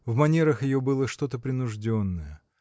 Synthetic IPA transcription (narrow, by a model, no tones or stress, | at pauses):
vmɐnʲeɾəxjɪjo̞bɨlˠəʂt̪o̞t̪əpɾʲɪnʊʐdʲo̞nːəjə